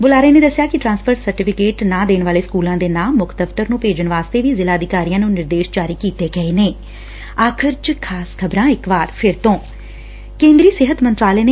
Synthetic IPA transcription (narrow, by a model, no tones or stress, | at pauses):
bʊlaːɾəeːneːd̪əsːɪjaːkɪʈɾãːnspʰəɾsəɾʈɪpʰɪkeːʈnãːd̪eːnʋaːleːskuːlãːd̪eːnaːmːʊkʰt̪əʋt̪əɾnũːpeːd͡ʒənʋaːst̪eːʋiːzɪlaːəd̪ɪkaːɾijãːnũːnɪɾd̪eːʃd͡ʒaːɾiːkiːt̪eːɡəeːneː | aːkʰɪɾt͡ʃkʰaːskʰəbɾãːɪkʋaːɾpʰɪɾt̪õː | kẽːnd̪ɾiːsɪɦət̪mənt̪ɾaːleːne